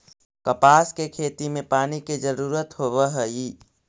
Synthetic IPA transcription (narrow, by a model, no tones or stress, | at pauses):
kəpaːskekʰeːt̪imẽpaːniked͡ʒəɾuːɾət̪ɦoːʋəɦəi